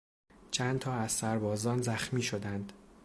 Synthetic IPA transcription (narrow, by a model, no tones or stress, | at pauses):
t͡ʃʰænt̪ʰɒːæz̥sæɾbɒːzɒːnzæxmiːʃod̪ænd̪̥